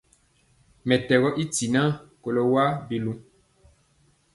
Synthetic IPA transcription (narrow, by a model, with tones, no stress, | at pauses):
mɛ˨tɛ˨ɣɔ˦ʔi˦ti˨nã˦ko˨lo˦wa˦bi˨lũ˦